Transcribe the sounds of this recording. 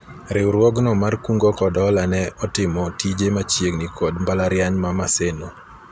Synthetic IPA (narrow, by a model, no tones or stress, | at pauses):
ɾɪwɾwɔɡnɔmarkuŋɡɔkɔdɔlanɛɔtɪmɔtid͡ʒemat͡ʃjeɡnikʰɔdmbalaɾjanmamaseno